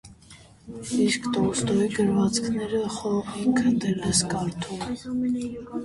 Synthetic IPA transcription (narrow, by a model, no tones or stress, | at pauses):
iskt̪ɔst̪ɔiɡəɾvɑt͡skʰnɛɾəχɔkʰənd̪ɛlɛskɑɾt̪ʰum